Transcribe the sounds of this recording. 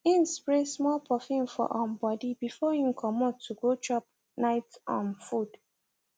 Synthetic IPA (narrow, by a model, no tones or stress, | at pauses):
ĩnspɹesmɔlpʰɔfĩnfɔ̰ʔãnbɔdibifɔjũkʰɔmɔtʰːuɡot͡ʃɔp̚ | naɪtã̰nfud̥